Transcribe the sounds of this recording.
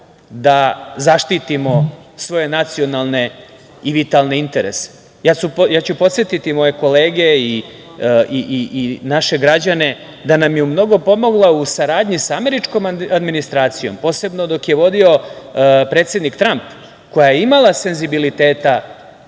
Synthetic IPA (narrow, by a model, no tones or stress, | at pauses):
d̪azaʃt̪it̪imo̞sʋo̞je̞nat̪sio̞nalˠne̞ | iʋit̪alˠne̞int̪e̞ɾḛse̥ | jaːt͡ɕupjaːt͡ɕupo̞t̪sjet̪it̪imo̞je̞ko̞le̞ːɡei | iʔiʔinaʃe̞ɡɾad͡ʑane̞ | d̪anamjeumno̞ɡo̞po̞mo̞ɡlˠausaɾaːd̪ɲisame̞ɾit͡ʃko̞mad̪minist̪ɾaːt̪sijo̞mpo̞ːse̞bno̞d̪o̞kje̞ʋo̞d̪io̞ | pɾet̪sʲed̪nikt̪ɾamp | ko̞jajeimalˠase̞nzibilit̪e̞ːt̪a